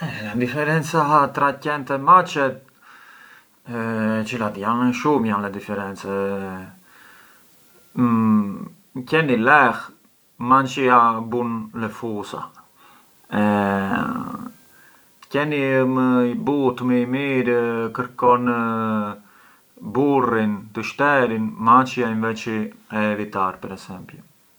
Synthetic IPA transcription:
ɛd̪ifɛɾɛnt͡sat̪ɾacɛnt̪ɛmat͡ʃɛt̪̚ | t͡ʃilat̪janʃumjanlɛd̪ifɛɾɛnt͡sɛ | cɛnilɛx | mant͡ʃiabunlɛfusa̰ | ɛ | kɛniməibut̪məimiɾəkəɾkɔnə | burint̪əʃt̪ɛɾinmant͡ʃiainvɛt͡ʃiɛvit̪arpəɾɛsɛmpu

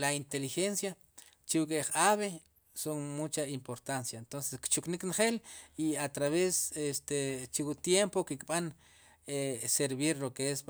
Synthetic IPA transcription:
laint̪elixensja | t͡ʃiukʼeχaβe | soŋmut͡ʃaimpoɾt̪ansjaent̪onseskt͡ʃukniknχeliat̪ɾaβesest̪et͡ʃiwut̪jempokikɓan | eseɾβiɾlokees

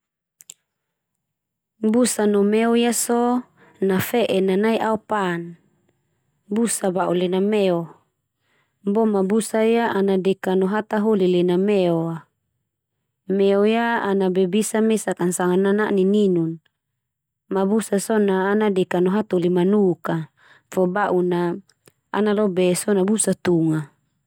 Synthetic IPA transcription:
busanɔmɛɔjasɔ | nafɛʔɛnanaiʔaupan | busabaʔulɛnamɛɔ | bɔmabusaijaʔanadɛkanɔɦat̪aɦolilɛnamɛɔa | mɛɔjaanabɛbisamesakansaŋananaʔnininun | mabusasɔnaːnadɛkanɔɦat̪olimanuka | fɔbaʔuna | analɔbɛsɔnabusat̪uŋa

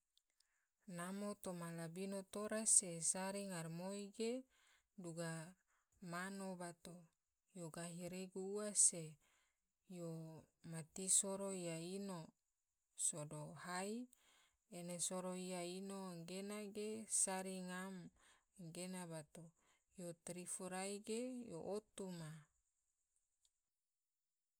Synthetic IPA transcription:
namot̪omalabinot̪oɾasesaɾiŋarmoiɡe | duɡa | manobat̪o | joɡaɦiɾeɡuːase | jomat̪isoɾoijaino | sodohai | enesoɾoiainoŋɡenaɡesaɾiŋam | ɡenabat̪o | jot̪ɾifuɾaiɡejo̰ʔot̪uma

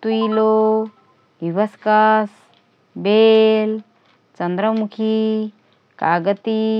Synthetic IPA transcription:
t̪uilo | iʋɐskɐs | beːl | t͡ʃɐnd̪ɾəmukʰi | kaːɡət̪i

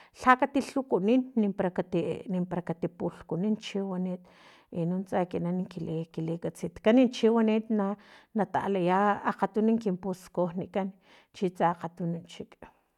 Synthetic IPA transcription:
ɬakat̪iɬukuninːimpɾakat̪inimpaɾakat̪ipuɬkunint͡ʃiwaniːt̪ | inunt͡sʼakinaniŋkilekilekʼat͡sit̪kanint͡ʃiwanit̪nanat̪a̰ʔlajaaqat̪uniŋkimpuskohniʔkan | t͡ʃit͡saqat̪unint͡ʃikʼ

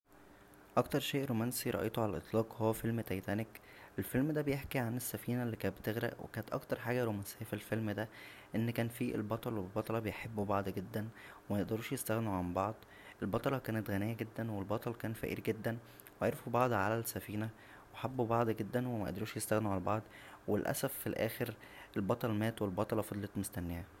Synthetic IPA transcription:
ʔɑkt̪ɑɾˤʃeːʔɾomænsiɾˤɑ̰ʔḛjt̪oʕalælʔḛt̪ˤlɑːqhowːæfelmt̪æjt̪æːnek | ʔelfelmd̪æbejeħkiʕanesːæfiːnælːiːkæːbet̪eɣɾæ̰ʔwḛkæːnet̪ʔɑ̰kt̪ɑɾˤħaːɡæɾomænsejːæfilfelmd̪æ | ʔenːkæːnfiʔḛlbɑt̪ˤɑlwebebɑt̪ˤɑlɑbejħebːubɑʕd̪ˤɡed̪ːænwemæjeʔd̪ɑɾuːʃjest̪æɣnuʕambɑʕd̪ˤ | ʔelbɑt̪ˤɑlɑkæːnet̪ɣænejːæɡed̪ːænwelbɑt̪ˤɑlkæːnfæ̰ʔḭːɾɡed̪ːæn | weʕeɾefubɑʕd̪ˤʕalælsːæfiːnæ | weħabːubɑʕd̪ˤɡed̪ːænwemæʔd̪ɑɾuːʃjest̪æɣneuʕalæbɑʕd̪ˤ | welʔæ̰sæfːilʔæ̰ːxeɾʔelbɑt̪ˤɑlmæːt̪welbɑt̪ˤɑlɑfɑd̪ˤlet̪most̪ænːehæ

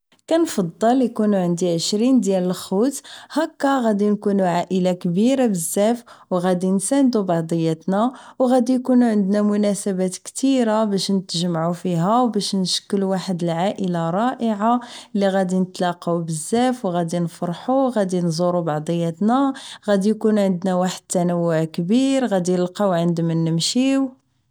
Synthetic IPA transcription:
kænfɑd̪ˤːɑlikunuʕənd̪iʕəʃɾind̪jæləlxut̪hækːæɣæd̪inkunuʕaʔəlakbiɾabəzːæfwɣæd̪insænd̪ubɑʕd̪ˤəjːæt̪næwɣæd̪ijkunuʕənd̪næmʊnæsəbæt̪kt̪iɾabæʃnət̪ʒəmʕufiɦæwbæʃnəʃə̥kːəluwaħəd̪əlʕaʔəlaɾˤɑʔəʕalːiɣæd̪inət̪lɑqawbəzːæfwɣæd̪infɾˤħuɣæd̪inzˤuɾubɑʕd̪ˤəjːæt̪næɣæd̪ijkunʕənd̪næwaħəd̪̚t̪ːænəwːʊʕkbiɾɣæd̪inəlqɑwʕənd̪mənːəmʃiw

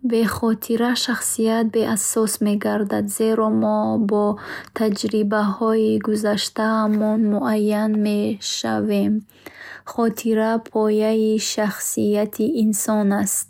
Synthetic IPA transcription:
be̞χɔt̪ʰiɾaʃaχsijat̪̚be̞ʔasɔsme̞ɡaɾd̪ad̪ze̞ɾɔmɔbɔt̪ʰad͡ʒɾibahɔiɡuzaʃt̪ahamɔnmuʔajːanmeʃa̰ve̞m | χɔt̪ʰiɾapʰɔjaiʃaχsiat̪ʰiʔːnsɔnast̪̚

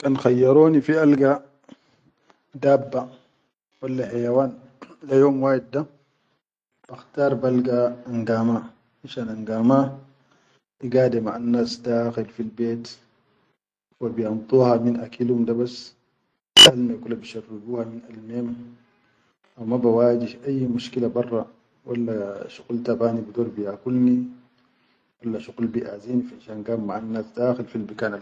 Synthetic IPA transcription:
kanxajːaɾoːnifialɡa | dabːa | walːaħajawaːn | lajoːmwaːjid̚da | b̥axtaːɾˤbalɡaːŋɡaːma | iʃanaŋɡama | ʔiɡaːdɛmaʔanːaːsdaːxilfilbeːt | wabijɑmt̪ˤuːhaminʔakʰilumdabas | ʔalmakulːabiʃarːiɡuːhaminalmeːm | ʔawmabawaːd͡ʒihʔajːmuʃkilabɑrˤːɑ | wʔalːaʃuɡlt̪abaːnibid̪oːɾbijakulni | walːaʃuɡlbiʔaːziːnifinʃanɡaːmːaʕanːaːsd̪aːxilfilbikaːna

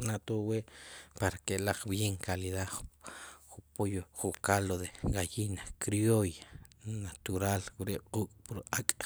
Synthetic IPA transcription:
nat̪oweʔpaɾakelaq͡χbjeŋkaliða | χupojoχukaloðeɣajinakɾjojanat̪uɾalwuɾeqʼuːkʼpuɾakʼ

